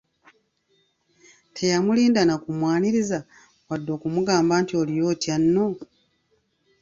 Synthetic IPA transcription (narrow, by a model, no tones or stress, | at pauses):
tʰe̞jamuliːndanakumwaːniɾiza | wadːo̞ːkumuɡaːmbaːntio̞lijo̞ːtjanːo̞